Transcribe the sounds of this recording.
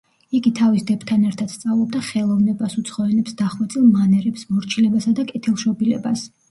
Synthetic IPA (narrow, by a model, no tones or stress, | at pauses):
iɡit̪ʰavisd̪ɛpʰt̪ʰanɛɾt̪ʰad̪̥st̪sʼavlˠɔb̚d̪aχɛlˠɔvnɛbasut̪sʰχɔɛnɛpsd̪aχwɛt̪sʼilˠmanɛɾɛpsmɔɾt͡ʃʰilɛbasad̪akʼɛt̪ʰilˠʃɔbilɛ̰bas